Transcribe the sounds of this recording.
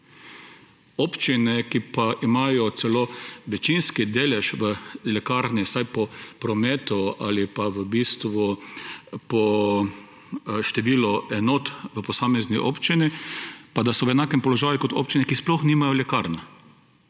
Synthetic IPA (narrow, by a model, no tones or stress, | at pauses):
opt͡ʃinɛkipaʔimajɔt̪sɛloːʋɛt͡ʃinskid̪eːlɛʃʋəlɛkaɾnisajpɔpɾɔmeːt̪ua̰lipaʋəbist̪ʋɔ | pɔ | ʃt̪ɛʋilɔɛnɔt̪ʋəpɔsaːmɛzniʔo̰pt͡ʃinipad̪asɔʋɛnaːkɛmpɔlɔʒaːjukɔt̪o̰pt͡ʃinɛkisplɔxniːmajɔlɛkaɾn